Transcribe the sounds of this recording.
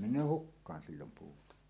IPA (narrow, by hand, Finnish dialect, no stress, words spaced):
menˑøː hukːɑːn silːom puːtɑ